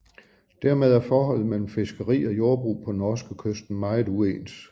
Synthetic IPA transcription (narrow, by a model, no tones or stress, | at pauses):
d̥æɐmeð̞ˠæɐfɒːɦɒ̽l̰ð̩ˠmel̰m̩fe̝sɡ̥əʁḭːɒ̽jo̝ɐb̥ʁṵːpʰɒ̽nɒːsɡ̥əkʰøsd̥n̩mɑ̈ɪð̩ˠueːns